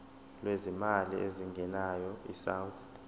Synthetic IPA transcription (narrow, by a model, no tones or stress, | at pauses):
lwezimalḭeziŋɡʱɛnajɔḭsawθ